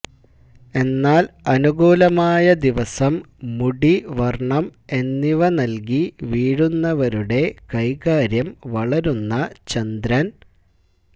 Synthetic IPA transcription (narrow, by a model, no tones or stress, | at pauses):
e̞nːaːlɐnuɣuːlɐmaːjɐd̪iʋɐsɐmː | uɽiʋɐrɳɐme̞nːiʋɐnɐlk̬iʋiːɽunːɐʋɐɾuɽe̞kɐjkaːɾjɐmʋɐɭɐɾunːɐt͡ɕɐnd̪ɾɐn